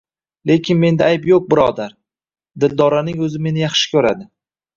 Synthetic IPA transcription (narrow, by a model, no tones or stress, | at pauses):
le̞kʲʰɪnme̞nd̪aajpjoq̚bɪɾɒd̪aɾ | d̪ɪld̪ɒɾanɪŋɵzɪme̞nɪjɑχʃɪ̥kʲʰɵɾad̪ɪ